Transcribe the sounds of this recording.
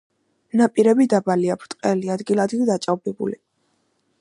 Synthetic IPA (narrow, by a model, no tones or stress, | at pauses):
napʼiɾɛbid̪abaliapʰɾt̪ʼqʼɛliad̪ɡilˠad̪lid̪at͡ʃʼavbɛbṵli